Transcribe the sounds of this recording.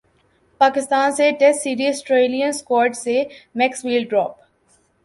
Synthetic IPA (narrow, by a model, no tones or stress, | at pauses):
paːkɪst̪aːnseʈesiːɾiɔsʈɾeːlijə̃nskɔːɾʈsemɛksʋiːlɖɖɾɔːp